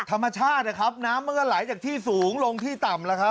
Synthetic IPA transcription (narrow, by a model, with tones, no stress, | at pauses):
t̪ʰa˧mːa˧t͡ɕʰaː˥˩t̪̚la˧˩kʰɾa˦˥p̚naː˦˥mːɯ˥˩əlaː˩˦jt͡ɕaː˨˩k̚t̪ʰiː˥˩suː˨˩˦ŋlo˧ŋt̪ʰiː˥˩t̪a˨˩mla˦kʰa˦˥p̚